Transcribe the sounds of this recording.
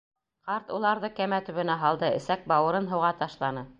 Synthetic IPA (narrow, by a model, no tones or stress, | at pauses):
qɑɾt̪ulˠɑɾðɤkæmæt̪ɵ̆βɘ̆næɦɑlˠd̪ɤɘ̰̆sæk̚bɑwɤ̆ɾɤnɦɤ̆wʁɑt̪ɑʃlˠɑnɤ